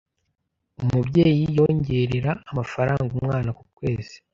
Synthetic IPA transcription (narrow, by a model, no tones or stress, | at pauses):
umubje̞ːjijo̞ːɲɟe̞ɾeɾaːmafaɾaːŋɡumŋaːnakukwe̞ːzi̥